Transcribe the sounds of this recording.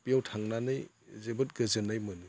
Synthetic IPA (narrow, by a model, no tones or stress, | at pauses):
pijawtʰaŋnanɯj | zebɯt̚ɡəzɯnajmɯni